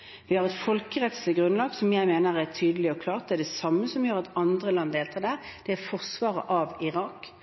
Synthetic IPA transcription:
ʋɪhɑʁɛt̪fɔlkəʁɛt̪slɪɡʁʉnlɑːɡsɔmjæɪmeːnəʁæʁt̪ʰyːd̪əlɪɔkʰlɑːʁt̪̚d̪ɛæɖ̪ɛsɑmːəsɔmʋɪjːʁɑt̪ɑnd̪ʁəlɑnːd̪eːlt̪ʰɑːd̪æd̪̥ɛæfɔʁsʋɑːʁə̰ʔɑʋɪʁɑːk

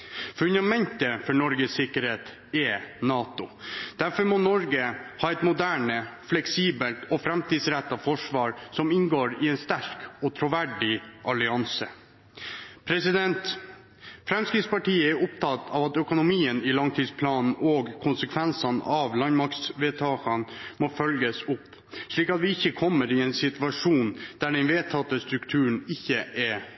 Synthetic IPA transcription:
fʉnd̪ɑmɛnt̪əfɔɳɔɾɡəsɪkːəɾheːt̪ | ɛnɑːt̪ʊd̪̥æɾfɔɾmɔnɔɾɡəhɑːɛt̪mʊd̪æːɳəflɛksiːbəlt̪ɔfɾɛmt̪ʰiːd̪sɾæt̪ːɑfɔʂʋɑːɾsɔmɪnɡoːɾɪɛnst̪æɾkɔt̪ʰɾʊʋæɖɪʔɑlɪɑnsə | pʰɾɛsɪd̪ɛnt̪ | fɾɛmskɾɪt̪spɑʈiːəɛɾʊpt̪ʰɑt̪ɑːʋɑt̪œkʊnʊmiːənɪlɑŋt̪ʰiːd̪spʰlɑːnn̩oːɡkʰʊnsəkʰʋɛnsɑnɑʋlɑnmɑkt̪sʋeːt̪ʰɑːkɑnmoːfœlɡəsʊpː | ʂɭiːkɑt̪ʋɪɪçːəkʰɔmːəɾɪɛːnsɪt̪ʉʋɑʂuːnd̪̥æːɖɛnʋeːt̪ʰɑt̪ːəst̪ɾʉkt̪ʰʉːəɳ̩ɪçːəʔɛ

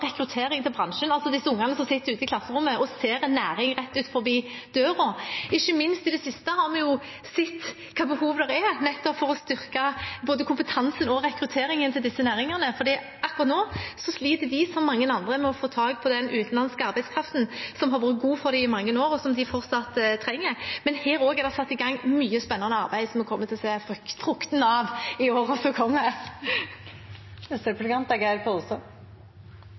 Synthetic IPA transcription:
ʁɛkɾʉt̪ʰeːɾɪŋt̪ʰɪlbʁɑnʂənɑlsɔd̪ɪsːəʊŋːɑnəsɔmsɪt̪ːəɾʉːt̪ɪkʰlɑsːəʁʊmːəʔɔseːɾɛnːæːɾɪŋɾɛt̪ːʉːt̪fɔɾbiːd̪̥øːʁɔɪçːəmɪnst̪ɪd̪ɛsɪst̪əhɑɾmɛjʊ | sɛt̪ː | kʰɑːbəhuːʋd̪ɛɾɛɾnɛt̪ːɔpfɔɾɔst̪ʏʁkɑboːd̪əkʊmpət̪ʰɑnsənɔɾɛkɾʉt̪ʰeːɾɪŋənt̪ʰɪld̪ɪsːənæːɾɪŋɑnəfɔɾd̪iː | ɑkːʊʁɑt̪noːsɔsliːt̪əd̪ɪsɔmːɑŋːənɑnd̪ɾəmɛɔfoːt̪ʰɑːɡ̚pʰɔd̪ɛnʉːt̪n̩lɑnskəɑɾbæɪskʰɾʁɑft̪n̩sɔmɦɑɾʋuːɾət̪̚ɡuːfɔɾd̪ɪɪmɑŋːənoːɾɔsɔmd̪ɪfɔʁt̪sɑt̪t̪ʰːɾɛŋːəɾmɛnheːɾoːɡɛɾd̪ɛsɑt̪ːɪɡɑŋːmyːəspɛnːɑnəɑɾbæɪd̪sɔmɔkʰɔmːət̪ʰɪlseːffɾʊkt̪n̩ɑʋɪoːɾɔsɔkʰɔmːə | sɛplɪkɑnt̪ɛɡæɪlpʰɔusɔ

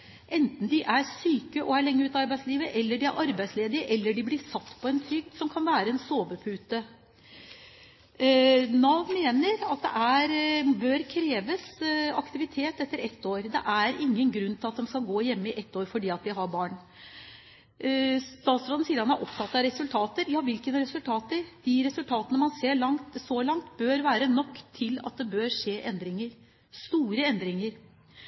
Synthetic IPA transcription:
ʔɛnt̪n̩d̪ɪʔæɾsyːkəʔɔæɭɛŋːəʉːt̪ɑɾbæɪsliːʋəʔɛlːəɖɪæ̰ɾʔɑɾbæɪsleːd̪ɪəʔɛlːəɖɪblɪsɑt̪ːpʰɔɛnt̪ʰɾʏɡ̚d̪sɔmkʰɑnʋæːɾəɛnsoːʋəpʰʉːt̪ə | nɑʋmeːnəɾɑt̪̚d̪ɛ̰ʔæɾbøːɾkʰɾeːʋəsɑkt̪ɪʋɪt̪ʰeːt̪ɛt̪ːəɾɛt̪ːoːɾd̪ɛʔæɾɪŋːənɡɾʉnːt̪ɪɑt̪̚d̪ɛmskɑlɡoːjɛmːəɪʔɛt̪ːoːɾfɔɖiːɑt̪d̪ɪɦɑɾbɑːɳ | t̪ɑːt̪sɾoːd̪n̩siːd̪ɑnæɾʔɔpt̪ʰɑt̪ːɑɾɛsʉlt̪ʰɑːt̪əɾjɑːʋɪlkənɾɛsʉlt̪ʰɑːt̪əɾd̪̥ɪɾɛsʉlt̪ʰɑːt̪ənəmɑnseːɭɑŋt̪sɔlɑŋt̪bøːɾʋæːɾənɔkːt̪ʰɪlɑ̰t̪̚d̪ɛbøːɾʂeːʔɛnd̪ɾɪŋəɾ | st̪uːɾəɛnd̪ɾɪŋəɾ

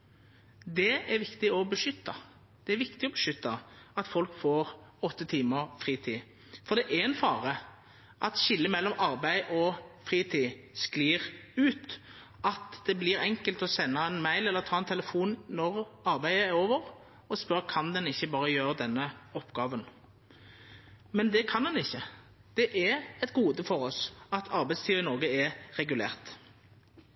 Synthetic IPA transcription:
d̪ɛæɾʋɪkt̪ɪɔbəʂʏt̪ːɑ | d̪̥ɛæɾʋɪkt̪ɪɔbəʂʏt̪ːɑɑt̪fɔlkfoːʁɔt̪ːət̪ʰiːməɾfʁiːt̪ʰiː | fɔɾd̪ɛʔæɛnfɑːʁə | ʔɑt̪ɕɪlːəmɛlːɔmɑɾbæɪʔɔfʁiːt̪ʰiːskliːʁʉːt̪ | ʔɑt̪d̪̥ɛbliːɾɛŋkəlt̪ɔsɛnːɑɛnmæɪlɛlːəʁt̪ʰɑːɛnt̪ʰɛləfuːnnɔʁɑɾbæɪəɛɾoːʋəʁ | ɔspœʁkʰɑnd̪ɛnɪçːəbɑːʁəjøːɾəd̪ɛnːəɔpːɡ̥ɑːʋən | mɛnd̪ɛkʰɑnd̪ɛnɪçːə | d̪̥ɛʔɛɛɪt̪ɡuːd̪əfɔɾɔsɑt̪ʰɑɾbæɪst̪ʰiːɑɪnɔʁɡəɛʁɛɡʉlḛːʁt̪

